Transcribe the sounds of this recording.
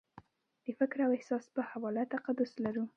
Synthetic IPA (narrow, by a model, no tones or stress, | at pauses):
d̪̥əfɪkɾawɪhsɑspəhawɑlat̪aqad̪ʊslaɾu